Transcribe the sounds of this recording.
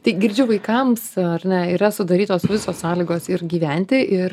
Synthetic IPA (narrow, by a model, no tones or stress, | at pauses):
t̪ɐɪɡʲɪɾʲd͡ʒʲʊʋɐɪkɐmsɐɾʲnʲɛiːɾɐsʊd̪ɐɾʲiːt̪oːsʋʲɪsoːssɑːlʲiːɡoːsɪɾɡʲiːʋʲɛnʲt̪ʲɪʔɪɾ